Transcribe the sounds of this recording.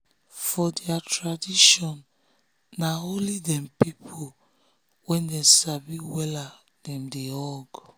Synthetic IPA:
fɔdɛatʰɹadiʃɔ̃nː | aolidɛ̃mpipʰo | wɛ̃ndɛsabiwɛla | d̥ɛ̃mdeɔɡ

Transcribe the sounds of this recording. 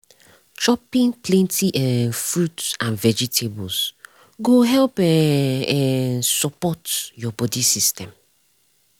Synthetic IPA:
t͡ʃɔpĩnplɛ̃ntʰiʔɛ̃nfɹudsãnvɛd͡ʒitʰebɔls | ɡoɦɛlp | ɛnsɔpɔtjɔbɔdisistɛ̃m

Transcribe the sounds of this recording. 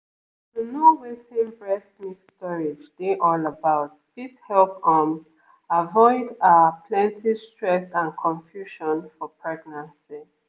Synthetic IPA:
ðənuwetĩnbɹɛθmisstɔɹɪd͡ʒɡeʔɔləbaʊtdishɛlp̚ə̃m | avɔɪdapʰlɛ̃ntʰistɹɛsãnkʰɔ̃ɱfjuʃɔ̃nfɔpʰɹɛɡnãnsi

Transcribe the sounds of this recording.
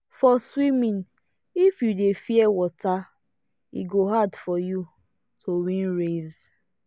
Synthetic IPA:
fɔswimĩn | ifjudefiɛwɔta | ḭɡoɦadfɔju | tʰowĩnɾez

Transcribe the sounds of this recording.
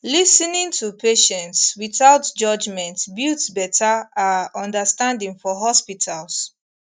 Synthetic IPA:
lisnĩŋtʰupʰeʃɛ̃ntswiθaʊtd͡ʒʌd͡ʒmɛ̃ntbitsbɛtʰaaɔ̃ndəstãndĩŋfɔɦɔspitʰals

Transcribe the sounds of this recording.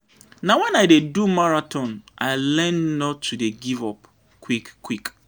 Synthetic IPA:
nãwɛ̃naɪdedumaɹatʰɔ̃naɪlɛ̃nːɔ̃tʰːudeɡivɔp̚ | kʰːwikkʰːwik

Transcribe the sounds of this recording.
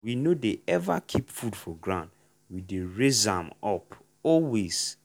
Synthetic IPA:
winodeɛva̰kʰipfudfɔɡɹãnd | wideɹezã̰mɔp | ɔlwez̥

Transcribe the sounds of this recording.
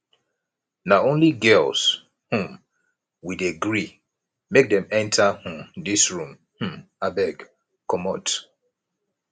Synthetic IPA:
naõnliɡɛlz̥ | hũm | wideɡɹi | mek̚dɛ̃mɛ̃ntʰahũdisɹũm | h̩abɛɡ | kɔmɔt

